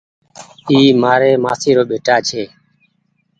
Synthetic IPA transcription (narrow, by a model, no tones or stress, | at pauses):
iːmaːɾeːmaːsiːɾoːɓeːʈaːt͡ʃʰeː